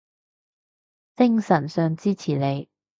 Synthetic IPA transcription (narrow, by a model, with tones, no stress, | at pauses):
t͡sɪ˥ŋsɐ˨˩nsœː˨ŋt͡siː˥t͡sʰiː˨˩le˨˧j